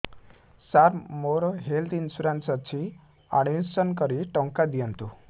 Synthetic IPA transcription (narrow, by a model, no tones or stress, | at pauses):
saɾmoɾɦeld̪insuɾãnt͡sat͡ɕi | a̰ɽ̃issənkəɾiʈɔŋkad̪ijənt̪u